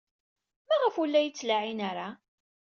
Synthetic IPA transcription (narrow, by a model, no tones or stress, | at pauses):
mæʁəfulːæjət͡sːlaʕinaɾa